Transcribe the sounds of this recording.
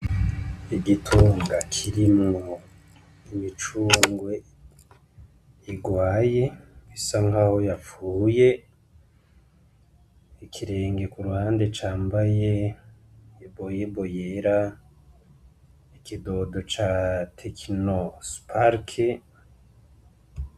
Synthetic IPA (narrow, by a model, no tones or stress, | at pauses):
iɡitʰuːŋɡakʰiɾimŋo | imit͡ʃuːŋɡwe̞ | iɡwaːje̞isaŋɡaho̞jafuːje̞ | ikʰiɾe̞ːŋɡe̞kuɾuhaːndet͡ʃaːmbaje̞ | bojebo̞jeɾa | ikido̞do̞t͡ʃatʰekʰinospʰaɾkʰe